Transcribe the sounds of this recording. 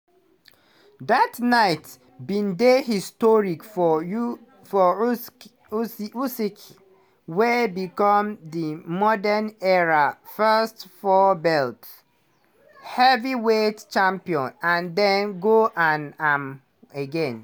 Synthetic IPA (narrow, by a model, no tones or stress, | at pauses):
datnaɪt | bĩndehistɔɹikf | fɔ | usik | webikɔ̃mdimɔdənɛɹafɛstfɔbɛlt | hɛviwett͡ʃãmpiɔ̃nãndɛ̃nɡoʔãnam | eɡɛ̃n